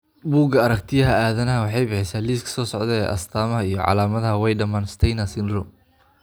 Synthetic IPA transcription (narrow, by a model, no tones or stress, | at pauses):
buːɡɐɐɾɐkt̪ʰɪjɐɦɐaːðɐnɐɦɐwɑħɑjbɪħɪsaːliːskʰɐ̥sɔːsɔʕd̪ɛɛ̰ːʔɐ̰st̪ʰaːmɐɦɐijɞʕɑ̰laːmɐðɐɦɐwɛjɖɐmaːnst̪ʰɛjnɐsɪnrʊm